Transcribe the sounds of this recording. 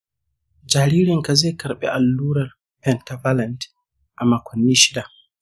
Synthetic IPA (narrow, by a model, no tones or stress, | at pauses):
d͡ʒaɾiɾinkazɛkaɾɓɛ̰ʔalːuːɾal | pɛntavaland | ʔamːakʰɔnːiʃila